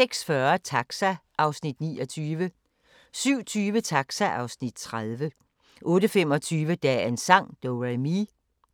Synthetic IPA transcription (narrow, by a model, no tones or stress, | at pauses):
seɡ̥sfɶɐt͡sʰɑɡ̥sæʔɑ̈ʊsnid̥̚niːɒt͡sʰyːʋə | syʊ̰t͡sʰyːʋət͡sʰɑ̈ɡ̥sæʔɑ̈ʊsnid̥̚t͡sʰʁað̞ˠʋə | ʔɔ̽ːɾəfem̰ɒ̽t͡sʰyːʋəd̥æensɑ̈ŋ̰d̥oʁami